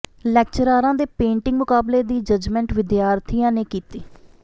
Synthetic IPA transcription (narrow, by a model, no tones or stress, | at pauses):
lɛːk̚t͡ʃəɾaːɾãːd̪eːpẽːɳʈɪ̃ŋɡmʊkaːbleːd̪iːd͡ʒəd͡ʒmɛ̃ːɳʈʋɪd̪jaːɾt̪ʰijãːneːkiːt̪iː